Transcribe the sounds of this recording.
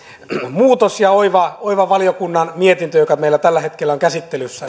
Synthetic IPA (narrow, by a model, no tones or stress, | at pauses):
muːt̪osjɑoiʋɑoiʋɑʋɑlijokunːɑnmiet̪int̪øjokɑmeilːæt̪ælːæhet̪kelːæoŋkæsit̪ːelysːæ